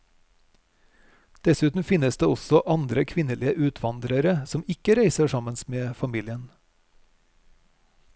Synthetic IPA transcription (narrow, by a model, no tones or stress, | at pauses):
d̪̥ɛsʉːt̪n̩fɪnəsd̪eːɔsɔʔɑnd̪ɾəkʰʋɪnəliːəʔʉːt̪ʰʋɑnd̪ɾəɾəsɔmɪkəɾeɪsəʃɑmənsmeːfɑmiːlɪən